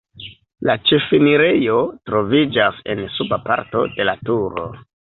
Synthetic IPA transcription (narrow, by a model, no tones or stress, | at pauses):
lat͡ʃefiniɾejo̞tɾo̞vid͡ʒase̞̰nsubapa̰ɾto̞̰de̞latuɾo̞̰